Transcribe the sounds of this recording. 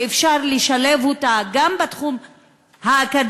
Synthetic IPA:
efʃaʁleʃalevotaɡambatχum | haːkad

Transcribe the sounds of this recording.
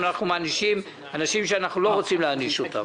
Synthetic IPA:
anaχnumaːniʃim | anaʃimʃeanaχnulo̞ʁo̞t͡simleaniʃota̰

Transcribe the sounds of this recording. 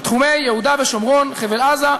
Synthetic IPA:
t̪χume̞jːehud̪aveʃomʁonχevelaza

